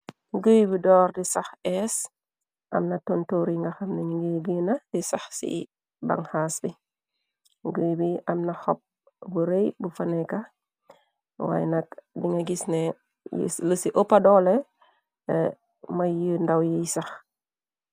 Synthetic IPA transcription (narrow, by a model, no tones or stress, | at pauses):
ŋɡuːjbidɔːrdisɐxɛs | ʔɐ̰mnɐtuntuːɾiŋɡɐxɐmnɛŋɡəɡiːnɐdisɐxsḭ | ba̰ŋhaːsbi | ŋɡəːjbiɐmnɐxɔp̚ | buɾejbufɐnɛkɐ | wa̰jɛnɐkdiŋɡɐɡisnɛ | jḭləsiʔɔpːadɔlɛ | mɐjəndawjijsɐx